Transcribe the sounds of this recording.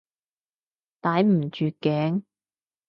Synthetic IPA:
t̪aː˨˧˥jm̩˨˩t͡ʃyː˨˧kːɛː˨˥ŋ

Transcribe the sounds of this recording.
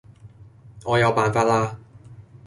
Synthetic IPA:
ŋɔː˨˧jɐ˨˧wpaː˨˧nfaː˧t̚laː˥

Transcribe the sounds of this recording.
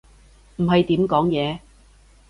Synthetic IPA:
m̩˨˩ɦɐ˨jt̪iː˨˥mkɔː˨˥ŋjɛː˨˧

